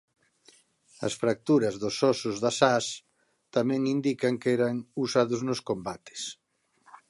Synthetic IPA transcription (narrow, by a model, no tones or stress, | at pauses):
ɐ̰sfɾak̚t̪uɾɐzðʊsɔsʊzðasas | t̪amɛ̃ŋind̪ikɐŋkɛɾɐŋusaðʊznʊskombat̪e̥s